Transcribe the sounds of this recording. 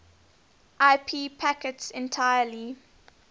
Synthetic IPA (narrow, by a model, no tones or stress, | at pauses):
ʔaɪpʰiːpʰækətsɛ̃ntʰaɪəli